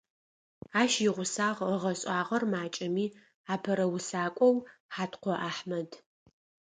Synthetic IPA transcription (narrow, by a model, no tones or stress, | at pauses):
aːʃjɪʁʷʊsaːʁəʁɐɕʼaːʁɐrmaːt͡ʃʼɐmiː | aːpʰɐɾɐwʊsaːkʷʼɔwħaːtqʷɔʔaːħmɐd